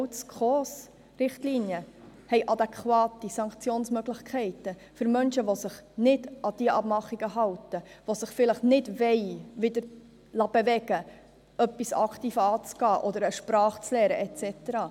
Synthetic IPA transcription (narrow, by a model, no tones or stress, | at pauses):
wt͡skʰχɔs | rɪχtliːnjəhɛɪʔɑd̪ɛkχwɑːtisɑŋkt͡sjoːnsmœɡlɪχkʰɛɪtə | fɵɾmœnʃəʋosɪχnɪdʔɑd̥iəʔɑbmɑχːiɡ̥əɦɑwtəʋosəχfɪləχnɪdʋɛɪʋɪdəɾ | lɑb̥evɛɡ̥ə | œpːisɑkt̪iːfəɑːt͡sɡ̥ɑːʔɔd̪əɾəʃpɾɑːχt͡slɛːɾəʔɛt͡sɛtəɾɑː